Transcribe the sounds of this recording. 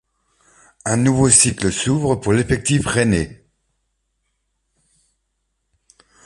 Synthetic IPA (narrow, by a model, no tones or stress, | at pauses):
ɛ̃nuvosikləsuvʁəpuʁlefɛk̚t̪ifʁene